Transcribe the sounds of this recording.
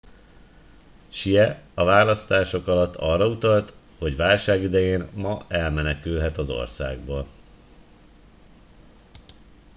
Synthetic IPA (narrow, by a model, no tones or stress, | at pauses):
ʃijɛɒvaːlɒst̪aːʃo̞kɒlɒt̪ːɒrːɒut̪ɒlt̪ | ho̞ɟʋaːlʃaːɡid̪ɛjeːnmɒɛlmɛnɛkylɦɛt̪ɒzo̞̰rsa̰ːɡ̚boːl